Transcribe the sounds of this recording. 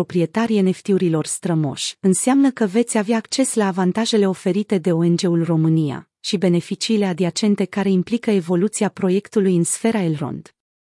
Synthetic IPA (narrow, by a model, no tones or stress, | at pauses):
opɾie̞t̪aɾiene̞ft̪iuɾilo̞rst̪ɾəmo̞̰ʃʲɨnseamnəkəve̞t̪sʲaveaːkt͡ʃe̞slaːvant̪aʒe̞le̞o̞fe̞ɾit̪e̞d̪e̞o̞e̞nd͡ʒe̞ulro̞mɨnija̰ | ʃibe̞ne̞fit͡ʃiːle̞ad̪iat͡ʃe̞nt̪e̞kaɾe̞implikəevo̞lut̪siapɾo̞je̞kt̪ulujɨnsfe̞ɾaelɾo̞̰nd̪̥